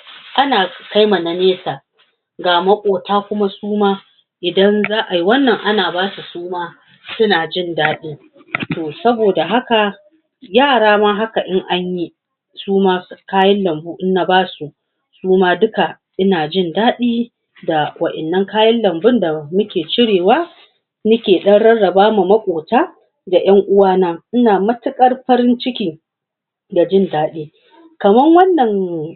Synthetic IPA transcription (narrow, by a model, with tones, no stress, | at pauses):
ʔa˦naː˨ka˦jma˨na˨neː˦saː˨ | ɡaː˨ma˦kʷʼoː˨taː˦kʷʊ˦ma˦suː˦maː˦ | ʔɪ˨dɐ˦nzaː˦ʔa˨ji˦wɐ˦nːɐ˨ŋʔa˦naː˨baː˦su˨suː˦maː˦ | sʊ˦naː˨d͡ʒɪ˦˨ndaː˦ɗiː˦ | toː˨sɐ˦boː˨da˨ɦa˦ka˨ | jaː˦˨ɽaː˦maː˦ɦa˦ka˨ʔɪ˦ŋʔa˦ɲji˦ | suː˦maː˦kaː˦jɐ˦nlɐ˨mbuː˦ʔɪ˦nːa˦baː˦su˨ʔ | suː˦maː˦dʊ˦ka˨ | ʔɪ˦naː˨d͡ʒɪ˦ndaː˦ɗiː˦ | da˨wɐ˨ʔɛ˨nːɐ˦ŋkaː˦jɐ˦nlɐ˨mbʊ˦nda˨mʊ˦kʲeː˨t͡ʃɪ˦ɽeː˨waː˦ | nɐ˦kʲeː˨ɗɐ˦nɽɐ˦ɽɐ˨baː˦mu˨mɐ˦kʷʼoː˨taː˦ | da˨j̰ɐ˦ŋʔʊ˦waː˦naː˦ʔɪ˦naː˨mɐ˦tɪ˦kʼɐ˦rɸɐ˦ɾɪ˦nt͡ʃɪ˦kʲiː˦ | da˨d͡ʒɪ˦˨ndaː˦ɗiː˦ | kɐ˨mɐ˦ŋwɐ˦nːɐ˨ŋ